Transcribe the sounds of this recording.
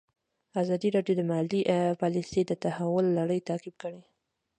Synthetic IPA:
azɑd̪iɾɑɖjod̪əmahaliʔpɑlised̪ət̪ahawʊlːaɽəjt̪aqib̚kəɽi

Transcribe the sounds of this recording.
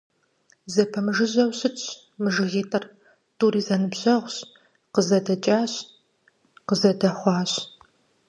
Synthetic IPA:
zɐpʰɐmɨʒɨʑɐwɕɪt͡ʃ | mɨʒɨɣeːtʼɐr | tʰʼuːɾiːzɐnɨbʑɐʁʷɕ | qəzɐdɐt͡ʃʼaːɕ | qəzɐdɐχʷɑːɕ

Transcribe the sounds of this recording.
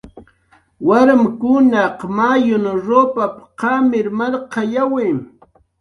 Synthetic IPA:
waɾmkʊnɑqmajʊnɾoːpapqɑmɪɾmaɾqɑjawɪm

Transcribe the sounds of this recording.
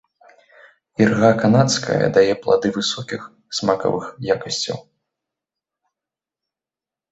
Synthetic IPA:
irɣakanat̪skʰɐ̰jɐ̰d̪ajɛplˠa̰d̪ɨvɨsɔkʲix | smakɐ̰vɨxjakɐsʲt͡sʲɐ̰w

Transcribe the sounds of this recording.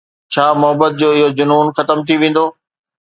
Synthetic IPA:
t͡ɕʰaːmʊɦəbət̪̚d͡ʑoːɪɦod͡ʑʊnuːnxɐt̪əmt̪ʰiʋẽːn̆d̪oː

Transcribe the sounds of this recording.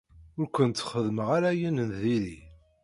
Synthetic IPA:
ʊɾkʷənt̪θχəðməʁaɾæjənənðiɾi

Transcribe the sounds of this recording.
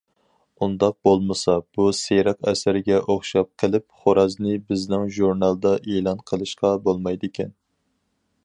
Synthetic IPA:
und̪ɑq̚bolˠmɨsɑb̥useɾɑqɛsɪɾɪɡʲɛʔoχʃɑp̚qʰəlˠɪp̚χoɾɑznɪbɪznɪŋʒuɾnɑlˠd̪ɑʔeːlˠɑnqʰəlˠɨʃqɑbolˠmɑjd̪ɪkʲʰɛn

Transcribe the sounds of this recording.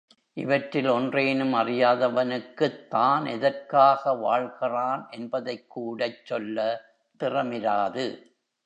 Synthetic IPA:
ʔɪʋɐʈɾɪlɔndreːnɯmɐrɪjaːðɐʋɐnɯkːɯt̪ːaːnɛðɐrkaːɣɐʋa̰ːɻɣɪraːnʔɛnbɐðɐɪkːuːɽɐɪt͡ʃːɔlːɐ | t̪ɪrɐmɪɾaːðɯ

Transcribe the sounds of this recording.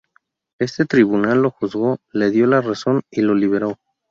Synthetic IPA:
e̞st̪e̞t̪ɾiβunalːo̞xuzɣo̞le̞ðjo̞laraso̞nilo̞liβe̞ɾo̞

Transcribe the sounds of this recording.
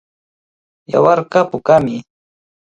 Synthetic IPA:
ja̰wɑɾqɑpʊkamɪ

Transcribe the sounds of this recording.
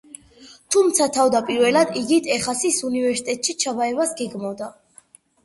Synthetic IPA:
t̪ʰumt̪sʰat̪ʰavd̪apʼiɾvɛlad̪iɡit̪ʰɛχasisunivɛɾsi̥t̪ʼɛt̪ʼʃit͡ʃʰabaɛvasɡɛɡmavd̪a

